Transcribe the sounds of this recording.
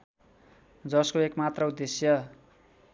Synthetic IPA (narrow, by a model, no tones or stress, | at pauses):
d͡zʌskoekmat̪rʌud̪ːesjʌ